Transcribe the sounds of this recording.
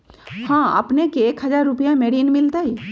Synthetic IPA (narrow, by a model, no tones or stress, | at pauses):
hãːə̰pnekeeːkɦɐzaːɾːʊpijãmeːɽiːnmɪlt̪aɦi